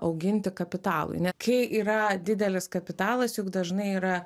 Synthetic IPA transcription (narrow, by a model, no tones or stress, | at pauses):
ɐʊɡʲɪnʲt̪ʲɪkɐpʲɪt̪ɑːlˠʊ̰ɪnʲɛkɐɪʔiːɾɐd̪ʲɪd̪ʲɛlʲɪskɐpʲɪt̪ɑːlˠɐsjʊkd̪ɐʒnɐɪiːɾɐ